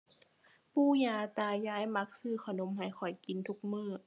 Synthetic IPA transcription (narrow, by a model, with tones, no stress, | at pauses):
puː˧˩jaː˧˩t̪aː˧jaː˧˥jma˧˥k̚sɯː˧˩kʰa˧˩no˧˥˨mɦa˨˩jxʰɔ˨˩jki˧˦nt̪ʰu˧˦k̚mɯː˧˩